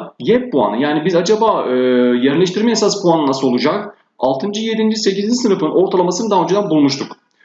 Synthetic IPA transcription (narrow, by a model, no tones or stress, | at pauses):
jɛp̚bua̰nɯjaːnibizad͡ʒabaːɯjɛɾmʲlʲɛʃ̬t̪ʰiɾmɛesaspʰuanɯnasɯo̞lˠud͡ʒak | a̰lˠt̪ʰɯnd͡ʒɯje̞d̪ind͡ʒise̞cizind͡ʒisɯnɯfɯno̞ɾt̪ʰalˠamasɯnɯnd̪aːød͡ʒed̪anbulˠmuʃt̪uk